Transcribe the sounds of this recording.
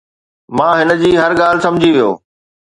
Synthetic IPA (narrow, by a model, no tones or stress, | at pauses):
mãːɦɪnə̆d͡ʑiːɦɐɾɠaːlɪ̆sɐ̃md͡ʑʱiʋijo̰ː